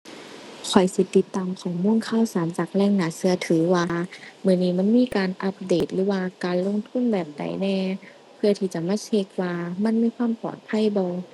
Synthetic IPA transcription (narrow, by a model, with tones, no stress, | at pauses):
kʰɔ˨˩jsi˧˦t̪i˧˦t̪ːaː˧˨mkʰɔː˨˩ŋmu˧˥˨ŋkʰaː˧˨wsaː˨˦nt͡ɕaː˨˩k̚lɛː˧˩ŋnaː˨˦sɯ˧ɐt̪ʰɯː˨˩˦waː˧mɯ˧˩˨niː˧˩ma˧˥˨nmiː˧˥˨kaː˨nʔa˧˦p̚deː˨˩t̪̚lɯː˨˦waː˧kaː˨nlo˧˨ŋt̪ʰu˧˥˨nbɛː˨˩p̚da̰˨˩˦jnɛː˧˩ | pʰɯ˧ɐt̪ʰiː˧˩t͡ɕa˧˦maː˧˥˨t͡ɕʰe˧k̚waː˧ma˧˥˨nmiː˧˥˨kʰwaː˧˥˨mpɔ̰ː˨˩t̪̚pʰa˧˥˨jbɔː˧